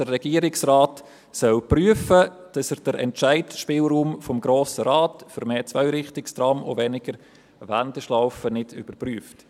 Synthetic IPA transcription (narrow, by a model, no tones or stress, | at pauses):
ərːɛɡ̥iːəɾɪksraːt | sœlpryəfə | d̥ɑsəɾd̥əɾʔɛ̰nt͡ʃæɪtʃpɪːlɾuːmfɔmɡɾoːsəɾaːtfʏɾmeːt͡svœʏɾɪχtɪkstɾɑːmo̰ʋɛnɪɡ̥əɾ | vænd̥ɛʃlaʊfənɪdʏb̥əɾpryəft